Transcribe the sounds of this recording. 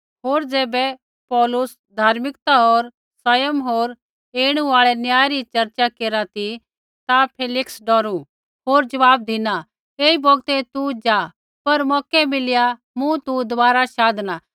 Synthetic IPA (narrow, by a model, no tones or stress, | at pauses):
ɦoːɾd͡ʒeːbɛ | pɔːlʊs | d̪ʱaːɾmɪkt̪aɦoːɾ | saːjəmɦoːɾ | eːɽ̃ũaːɭɛnjaːɾit͡ʃɐɾt͡ʃakeːɾat̪i | t̪apʰeːlɪksɖɔːɾu | ɦoːɾd͡ʒɐʋaːb̚d̪ʱina | eːibɔːɡt̪et̪ud͡ʒaː | pɐɾmɔːkɛmɪlja | mũt̪ud̪ʊaːɾaʃaːd̪na